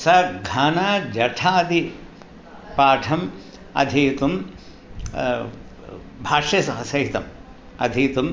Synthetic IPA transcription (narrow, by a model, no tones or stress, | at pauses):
sɐɡʱaːnaːd͡ʒɐʈʰaːd̪i | paːʈʰɐm | ɐ̰d̪ʱit̪um | bʱaːʂɐsɐɦɐsɐɦit̪ɐm | ɐ̰d̪ʱiːt̪um